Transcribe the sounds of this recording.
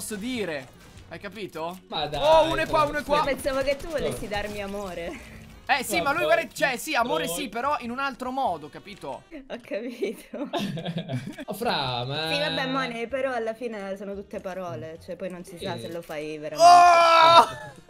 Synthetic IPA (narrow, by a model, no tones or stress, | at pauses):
ɔsːod̪iːɾe | ajkapiːt̪omad̪ounoɛkkːwaunoɛkːwapensaːvoket̪ːuvolesːid̪armiamoːɾe | ɛsimalujvalɛt͡ʃɛsiamoːɾesipeɾɔʔinunalt̪ɾomɔːd̪okapiːt̪o̰ɔkʰːapiːt̪ʰo | fɾamaivabːɛmːanepeɾɔalːafiːnesoːnot̪ut̪ːepaɾɔːlet͡ʃoɛpːɔjnonsisasselːofajveɾo